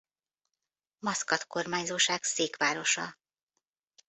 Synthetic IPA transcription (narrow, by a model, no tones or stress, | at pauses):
mɒskɒt̪ko̞rmaːɲzoːʃaːkseːkʋaːɾo̞ʃɒ